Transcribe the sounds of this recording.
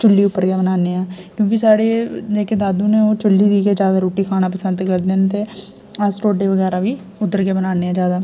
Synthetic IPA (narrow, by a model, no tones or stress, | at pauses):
t͡ʃʊlːiːʊpːəɾɡjaːbənaːneɛ̃ːkjõːkisaːɽed͡ʒeːked̪aːd̪ũːnẽːoːt͡ʃʊlːiːd̪iːkeːd͡ʒjaːd̪aːɾoːʈiːkʰaːñaːpəsə̃nd̪kəɾd̪ent̪e | asʈoːeːʋəɡɛːɾaːʋiː | ʊd̪ːəɾkeːbənaːneɛ̃ːd͡ʒjaːd̪aː